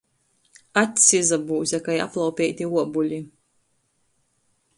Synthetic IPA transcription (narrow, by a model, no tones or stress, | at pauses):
at̪ʲsʲizabuːzʲɛkaja̰plˠawpʲɛjt̪ʲiuɔbulʲi